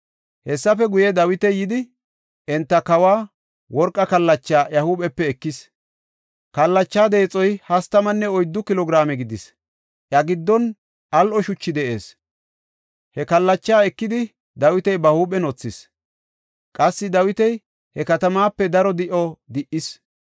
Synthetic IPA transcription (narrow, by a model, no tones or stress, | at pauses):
hɛsːɐfɛɡʊjɛd̪ɐwɪt̪ɛjɪd̪ɪ | ʔɛnt̪ːɐkɐwaː | wɔɾkʼːɐkɐlːɐt͡ʃːaːjɐhuːɓɛpːɛːkːɪs | kɐlːɐt͡ʃːaːd̪eːt͡sʼɔjhɐst̪ːɐmɐnːɛɔjd̪ːʊkɪlɔɡɾaːmɛɡɪd̪ɪs | ʔjɐɡɪd̪ːɔn | ʔɐlʔɔʃʊt͡ʃːɪd̪ɛʔḛːs | hɛkɐlːɐt͡ʃːaːɛkːɪd̪ɪ | d̪ɐwɪt̪ɛjbɐhuːɓɛnɔt͡sːɪs | kʼɐsːɪd̪ɐwɪt̪ɛj | hɛkɐt̪ɐmaːpːɛd̪ɐɾɔd̪ɪʔɔd̪ɪʔɪs